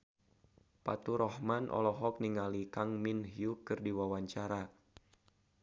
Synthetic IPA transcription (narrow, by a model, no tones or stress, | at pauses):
pa̰t̪uɾɔhmanʔɔ̰lɔɦɔk̚niŋalikaŋminɦjukɨrdiwawaɲt͡ʃaɾa